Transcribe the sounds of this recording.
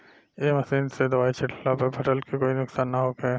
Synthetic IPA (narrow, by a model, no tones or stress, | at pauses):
eːmɐsiːnsed̪ɐʋaːit͡ʃʰɪʈʰlapɐpʰɐʈəlkekoːinʊksaːnːɐɦoːke